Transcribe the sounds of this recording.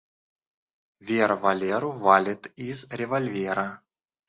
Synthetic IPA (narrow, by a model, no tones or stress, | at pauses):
vʲervalʲeɾʊvalʲɪt̪izrʲevolʲvʲeɾɐ